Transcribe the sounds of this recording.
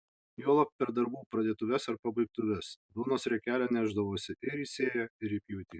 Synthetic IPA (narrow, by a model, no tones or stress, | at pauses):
joːlˠɐp̚pʲɛɾd̪ɐɾbuːpɾɐd̪ʲeːt̪ʊʋʲɛsɐɾpɐbɐɪk̚t̪ʊʋʲɛsbʲɪlˠnoːsɾʲɛkʲæːlʲɛnʲæːʒd̪ɐʋoːsʲɪʔɪɾiːsʲeːjɛɪɾipʲjuʊt̪ʲiː